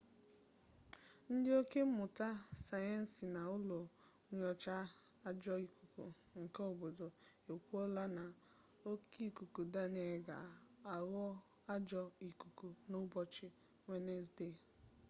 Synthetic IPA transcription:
n̩˦dɪ˦o˦ke˦m̩˦mʊ˨ta˦sa˨je˦n̩˨si˨na˨ʊ˦lo˨ | ŋʷ˦ɔ˨t͡ʃa˦ | a˦d͡ʒɔ˦i˨ku˨kṵ˨ | ŋ̩˨ka˦o˨bo˨do˨ | e˨kʷu˦ɔ˦la˦na˨ | o˦ki˦˨ku˨ku˨da˦ne˨ɡa̰˨a˨ɣɔ˦ | a˦d͡ʒɔ˨i˨ku˨ku˨nʊ˦bɔ˦t͡ʃɪ˦ | ŋʷe˦ne˦s̬de˦˨

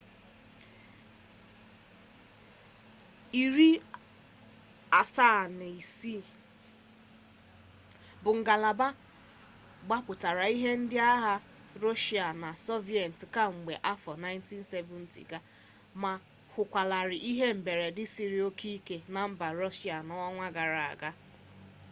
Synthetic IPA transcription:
i˨ɾi˦ | a˨sa˦˨n˨i˨si˦ | bʊ˨ŋ̩˨ɡa˨la˨ba˦ | ɡ͡ba˦pʊ˨ta˨ɾa˨i˦ɦe˦n̩˦dɪ˦a˦ɦa˦ | ɾo˦ʃi˨˦a˨na˨so˦vi˨e˨n̩˨tka˦ŋ͡m̩˨ɡ͡be˨ʔa˦fɔ˨na˦ɪ˦n˦ti˦n̩˦se˦vʊ˦n̩˦tḭ˨ɡa˦ | ma˨ | hʷʊ˨kʷa˨la˨ɾɪ˨ʔi˦ɦe˦m̩˨be˨ɾe˨dɪ˦si˨ɾi˨o˦kʰi˦ke˨na˨m̩˦ba˨ɾɔ˦ʃi˦a˨nɔ˦ŋʷa˦ɡa˨ɾa˨a̰˨ɡa˦

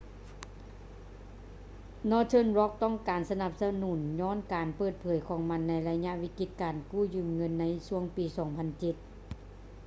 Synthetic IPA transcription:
nɔː˧˥t̪ʰɤː˥˨nɾɔ˦˥k̚t̪ɔ˥˨ŋkaː˨nsa˧na˧˥p̚sa˧nuː˩˦nɲɔː˧˥˨nkaː˨˩npɤː˧˩t̪̚pʰɤː˨˩˦jkʰɔː˨˩ŋma˧˥nːa˧˥jla˧ɲa˧ʔwi˧˥ki˧˥t̪̚kaː˨˩nkuː˥˩jɯː˧˩mŋɤ˧˥˨nːa˧˥jsu˧˥əŋpiː˨sɔː˩˦ŋpʰa˧˨nt͡ɕe˧˦t̪̚

